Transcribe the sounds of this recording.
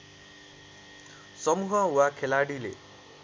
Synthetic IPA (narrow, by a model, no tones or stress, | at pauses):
sʌmuɦʌwakʰelaɽilḛ